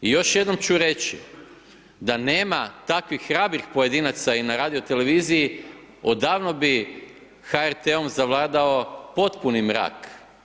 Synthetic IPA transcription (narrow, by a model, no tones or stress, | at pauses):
ijo̞ʃje̞d̪no̞mt͡ɕuɾe̞t͡ɕḭ | d̪ane̞ːmat̪akʋixːɾabɾixpo̞je̞d̪inat̪sainaɾaːd̪io̞t̪e̞le̞ʋiːziji | od̪aːʋno̞bi | xaeɾt̪eomzaʋlˠaːd̪ao̞po̞t̪punimɾa̰ːk